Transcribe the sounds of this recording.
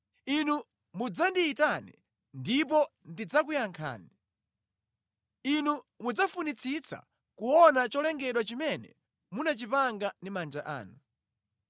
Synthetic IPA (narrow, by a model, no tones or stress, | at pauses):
inu | mud͡zandiːtanɛ | ndip̬ɔndid͡zak̬ujaŋkʰa̰ːni | inu | mud͡zafunit͡sʰit͡sʰa̰ | kuwɔnat͡ʃɔlɛŋɡɛɗwat͡ʃimɛnɛ̰ | munat͡ʃipaŋɡandimand͡ʒaʔa̰ːnu